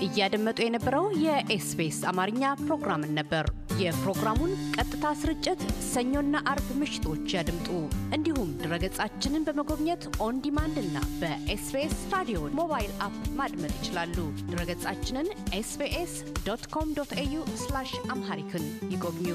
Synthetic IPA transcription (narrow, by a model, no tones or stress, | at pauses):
ʔɨjːad̪əmːət̪ʼujɛnəbːəɾəwjɛʔesbesamaɾɨɲːapɾo̞ɡɾamɨnːəbːəɾjɛpɾo̞ɡɾamunkʼət̪ʼːɨt̪ʰasɨɾɨt͡ʃʼːɪt̪səɲːo̞nːaʔaɾbmɨʃɪ̥t̪ʰo̞t͡ʃːjad̪ɨmt̪ʼuʔɨnd̪ihumd̪ɨɾəɡət͡sʼat͡ʃːɪnɨnbəməɡo̞βɲɛt̪ʔo̞nd̪imand̪ɨnːa̰bəʔesbesɾad̪ijomo̞βajilʔapmad̪mət̪ʼjɪt͡ʃɪlalːud̪̥ɨɾəɡət͡sʼat͡ʃːɪnɨnʔesbeʔes | d̪̥ot̪kʰo̞md̪ot̪ejuslaʃʔamhaɾikʰɨnjɪɡoβɲu